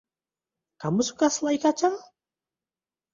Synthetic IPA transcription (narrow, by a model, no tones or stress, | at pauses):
kamʊsʊ̥kaslajkat͡ʃa